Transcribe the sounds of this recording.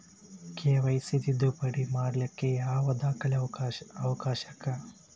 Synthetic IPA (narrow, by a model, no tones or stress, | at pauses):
keːʋɐjsid̪id̪upɐɽimaːɾlɐkːejaːʋɐd̪aːkʰɐlɐʋɐkaːʃɐkːɐ